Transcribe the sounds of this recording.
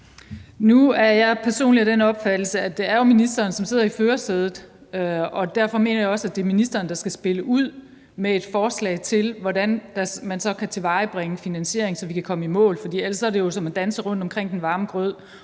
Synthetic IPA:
nuæɐjɑ̈ɪpʰæɐso̝̰ːnliæd̥enɒ̽b̥fæd̥l̩səæd̥e̝æɐjo̝minisd̥ɐːnsɒ̽mse̝ð̞̰ˠɐiføːɐseð̞ˠð̩ˠ | ɒ̽d̥æɐ̰fɒ̽me̝̰ːnɐjɑ̈ɒ̽sæd̥e̝minisd̥ɐːnd̥ɑ̈sɡ̥æsb̥e̝ləʔuð̰ˠ | mee̝d̥fɒːslɛ̰ɪt͡sʰe̝lʋɒɾænd̥æsmænsɒ̽kʰæt͡sʰe̝ʋɑ̈ɪb̥ʁeŋəfinænɕe̝̰ɐ̰e̝ŋsɒ̽ʋikʰækʰɒ̽məimɔ̰̽ːlfɒd̥ḭːelssɒ̽ɐdejo̝sɒ̽mæd̥ænsəʁɔ̽n̰d̥ɒ̽mkʰʁeŋ̰d̥enʋɑ̈ːməɡ̥ʁœð̰ˠ

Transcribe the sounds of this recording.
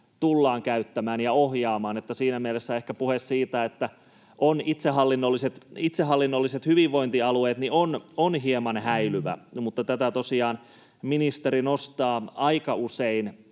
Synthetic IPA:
t̪ulːɑːŋkæyt̪ːæmæːnjɑohjɑːmɑːnet̪ːæsiːnæmielesːæehkæpuhessiːt̪æet̪ːæ | ʔonit̪seɦɑlːinːolːiset̪it̪seɦːɑlːinːolːiset̪hyʋiʋʋoint̪iɑlueːt̪niononɦiemɑnhæilyʋæ̰mut̪ːɑt̪æt̪æt̪osiɑːn | minist̪eɾinost̪ɑːɑikɑusein

